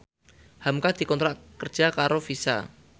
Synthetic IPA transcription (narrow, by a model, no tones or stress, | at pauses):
hamkad̪̥i̤kɔnt̪ɾaʔkər̥d͡ʒ̥a̤kaɾofisa̰